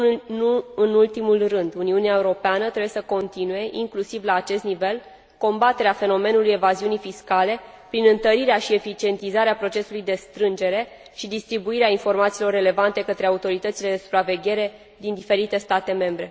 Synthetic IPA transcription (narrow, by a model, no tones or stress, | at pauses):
ɨnult̪imulrɨnd̪uniuneaeuɾo̞peanət̪ɾebjesəko̞nt̪inuje̞ʔiŋklusivlaːt͡ʃe̞st̪nive̞l | ko̞mbat̪e̞ɾeafe̞no̞me̞nuluje̞vaziunijfiskale̞ | pɾinɨnt̪əɾiɾeaʃie̞fit͡ʃie̞nt̪izaɾeapɾo̞t͡ʃe̞sulujd̪e̞st̪ɾɨnd͡ʒe̞ɾe̞ | ʃid̪ist̪ɾibuiɾeainfo̞rmat̪siːlo̞rːe̞le̞vant̪e̞kət̪ɾe̞aut̪o̞ɾit̪ət̪sile̞d̪e̞su̥pɾave̞ɡʲe̞ɾe̞ | d̪ind̪ife̞ɾit̪e̞st̪at̪e̞mẽ̞mbɾe̞